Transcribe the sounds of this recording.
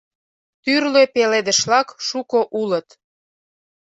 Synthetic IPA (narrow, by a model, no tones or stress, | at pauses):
t̪yrløpeled̪ə̆ʃlɑkʃukoʔulə̆t̪